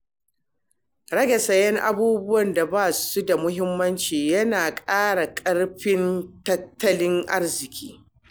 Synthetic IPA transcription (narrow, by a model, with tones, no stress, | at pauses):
ɽɐ˦ɡɐ˨sɐ˨jɛ˦ŋʔa̰˦buː˦bʊ˦wɐ˨nda˨baː˦˨su˦da˨mʊ˦ɦɪ˦mːɐ˦nt͡ʃiː˨jɐ˦naː˨kʼaː˦ɽa˨kʼɐ˦ɽɸɪ˦ntɐ˦tʰːɐ˦lɪ˦ŋʔa̰˦rzɪ˨kʲʰiː˦